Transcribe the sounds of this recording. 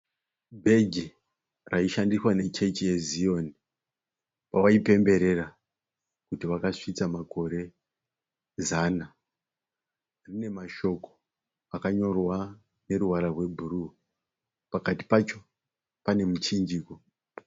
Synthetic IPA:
bʱe̞ɡʱi | raiʃandiswane̞t͡ʃe̞t͡ʃije̞zijo̞ni | pawaipe̞mbe̞ɾe̞ra | kutiʋakaʂit͡samako̞ɾe̞ | zana | rine̞maʃo̞ko̞̥ | akaɲo̞rwa | ne̞ɾuwaɾarwe̞bʱuru | pakati̥pat͡ʃo̞ | pane̞mut͡ʃind͡ʒiːko

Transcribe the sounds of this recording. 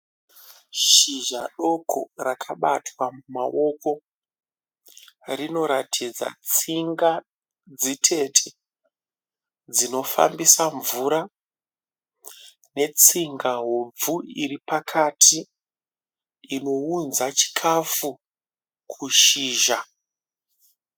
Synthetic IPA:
ʃiʒa̰ɗo̞kʰo̞̰rakʰaɓa̰twamumaʔo̞ko̞ | rino̞ɾatʰid͡za̰t͡siŋɡa | d͡zitʰe̞tʰe | d͡zino̞fa̰mbisaɱvuɾa | ne̞t͡siŋɡaɦob͡vuiɾipakʰatʰi | no̞unzat͡ʃi̥kʰafu | kʰuʃiːʒa

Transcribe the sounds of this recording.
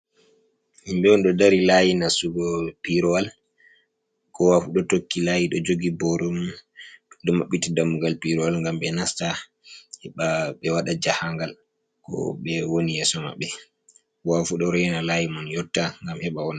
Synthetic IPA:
himɓɛɔnɗɔdaɾilajinasuɡɔpiɾɔwal | kɔwafuɗɔtokːilajiɗɔd͡ʒoɡibɔɾɔm | ɗɔmaɓːitidamːuɡalpiɾɔwalŋɡamɓɛnasta | hɛɓaɓɛwaɗad͡ʒahaŋɡal | kɔ̰ɓɛwoniɛsɔma̰ɓɛ | wafuɗɔɾɔjɛnalajimɔnjɔtːaŋɡamhɛɓawɔn

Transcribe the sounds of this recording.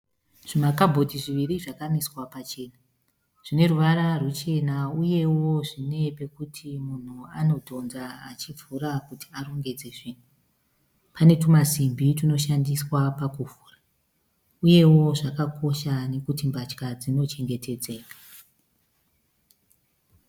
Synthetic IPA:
ʐ̥imakabʱo̞dʱiʐiʋiɾiʐakaniswapat͡ʃe̞ːna | ʐ̥ine̞ruʋaɾarut͡ʃe̞nauje̞wo̞ʐine̞pe̞kutʰimun̤uano̞tʰo̞nzaat͡ʃib͡vuɾakuti̥aɾo̞ŋɡe̞d͡ze̞ʐiːn̤u | pane̞tumasimbitino̞ʃandiswapakuvuːra | uje̞wo̞ʐakakʰo̞ʃane̞kutimbat͡ʃkad͡zino̞t͡ʃe̞ŋɡe̞tʰe̞d͡ze̞ːkḁ

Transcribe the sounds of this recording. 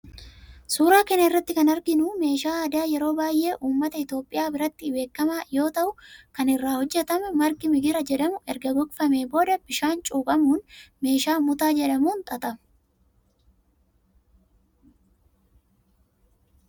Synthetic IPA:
suːɾaːkɛnɐɪrːɐt̪ːɪkɐnɐɾɡɪnuːme̞ːʃaːd̪aːjɛɾo̞ːbaːjʔe̞ːʔuːmːɐt̪ɐɪt̪jo̞ːpʼːɪjaːbɪɾɐt̪ːɪbe̞ːkːɐmaːjo̞ːt̪ɐʔʊkɐnɪrːaːhɔd͡ʒːɛt̪ɐmʊmɐɾɡɪmɪɡɪɾɐd͡ʒɛᶑɐmʊɛɾɡɐɡɔkʼfɐme̞ːbo̞ːd̪ɐb̥ɪʃaːnt͡ʃʼuːkʼɐmuːnme̞ːʃaːmʊt̪aːd͡ʒɛᶑɐmuːnt̪ʼɐt̪ʼɐm

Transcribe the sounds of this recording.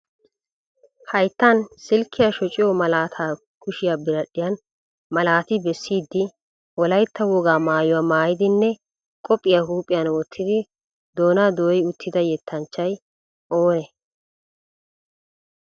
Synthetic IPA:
hɐjt̪ːɐnsɪlkʰːɪjaʃɔt͡ʃʼɪjɔmɐlaːt̪ʰaː | kʊʃɪjaːbɪɾɐɗːɪjɐn | mɐlaːt̪ɪbɛsːiːd̪ːɪ | wɔlɐjt̪ːɐwɔɡaːmaːjʊwaːmaːjɪd̪ɪnːɛ | kʼɔpʼːɪjahuːpʼɪjɐnwɔt̪ʰːɪd̪ɪ | d̪oːnaːd̪oːjʊt̪ʰːɪd̪ɐjɛt̪ʰːɐnt͡ʃːɐj | ʔoːnɛ

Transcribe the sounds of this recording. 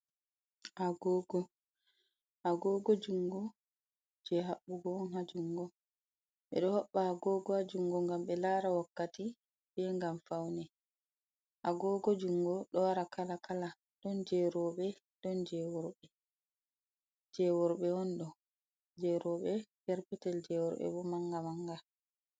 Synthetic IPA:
ʔaɡɔːɡɔ | haɡɔːɡɔd͡ʒuŋɡɔ | d͡ʒɛɦaɓːuɡɔnhad͡ʒuŋɡɔ | ɓɛ̰ɗɔhɔɓːaaɡɔːɡɔhad͡ʒuŋɡɔŋɡamɓɛlaɾawakːati | bɛŋɡamfawnɛ | ʔaɡɔɡɔd͡ʒuŋɡɔɗɔwaɾakʰalakala | d̥ɔnd͡ʒɛɾɔɓɛ | d̥ɔnd͡ʒɛwɔɾɓɛ | d͡ʒɛwɔɾɓɛwɔnɗɔ | d͡ʒɛɾɔɓɛkɛɾpɛtɛld͡ʒɛwɔɾɓɛ̰ɓɔmaŋɡamaŋɡa

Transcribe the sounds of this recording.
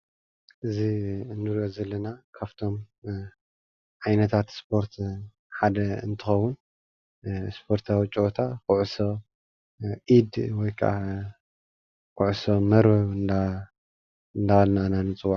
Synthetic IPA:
ʔɨziɨndɨɾjozɐlːɐnakʰaβt̪ʰo̞m | ʕajnɐt̪ʰat̪spʰo̞ɾt̪ʰ | ħad̪ɐɨ̰nt̪ʰɨxɐwːun | spʰo̞ɾt̪ʰawit͡ʃʼiot̪ʰakʊʕso | ʔid̪wɔjkʰa̰ | kʊʕsomɐɾbɐβɨnd̪a | ɨnd̪alnananɨt͡sʼɨwːaʕ

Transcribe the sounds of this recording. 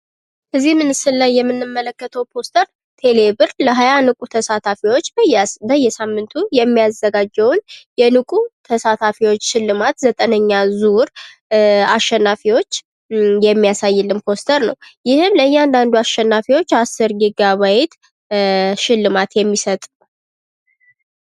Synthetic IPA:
ʔɨzihmɨnɨsɨlːajːɛmːɨnːɨmːələkːət̪ʰəwpʰo̞st̪ʰəɾ | t̪ʰe̞le̞bɨɾləɦajanɨkʼut̪ʰəsat̪ʰafiwo̞t͡ʃːbəjbəjːɛsamːɨnt̪ʰujɛmːijazːəɡad͡ʒːəwnjɛnɨkʼut̪ʰəsat̪ʰafiwo̞t͡ʃːʃɪlːɨmat̪zət̪ʼənəɲːazuɾ | aʃːɛnːafiwo̞t͡ʃː | jɛmːijasajːɪlːɨmpʰo̞st̪ʰəɾnəwjɪhɨmləɨjːɛand̪and̪uaʃːɛnːafiwot͡ʃːasɨɾɡiɡaβajɪt̪ | ʃɪlːɨmat̪jɛmːisət̪ʼu

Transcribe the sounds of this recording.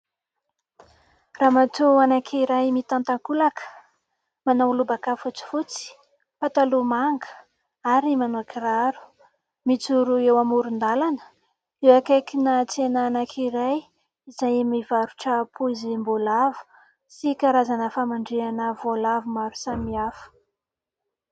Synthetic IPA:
ramat̪uanakʰiɾajmit̪ant̪aŋkulakʰə̥ | manawlubakafut͡si̥fut͡si̥ | pat̪alumaŋɡə̥ | aɾimanoakiraɾu̥ | mit͡suɾuewamuɾund̪alanə̥ | ewakakinət͡senaːnakʰiɾaj | izajmivaɾuʈ͡ʂəpʰuzimbolavu̥ | sikaɾazanəfamaɳɖ͡ʐeanəvolavumaɾu̥samiafə̥

